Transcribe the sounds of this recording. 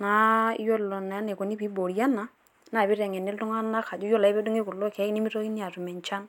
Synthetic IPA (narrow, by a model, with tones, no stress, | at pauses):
na˨˦i˦jo˦lɔ˨na˨a˦ne˨ko˨ni˦pi˨˦bo˨ɾja˦na˦ | na˦˨bi˦ɾɛ˨ŋɛ˨nɛ˦ltu˦ŋa˦na˦ka˨d͡ʒu˦jɔ˦la˨i˦bɛ˦du˦ŋe˦ku˨lo˦kɛ˨˦ni˦mi˦ɾo˦i˦ni˦a˨ɾu˨mɛ˨ɲt͡ʃa˦n